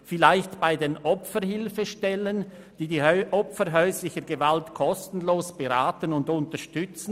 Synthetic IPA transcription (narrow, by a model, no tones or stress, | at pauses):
fɪlaɪçtb̥aɪdeːnʔɔpfəɾhɪlfəʃtɛlən | d̥iːdiːʔɔpfəɾɦœʏslɪçəɡevaltkʰɔstn̩loːsb̥eɾaːtənʊndʊntəɾʃtʏt͡sn̩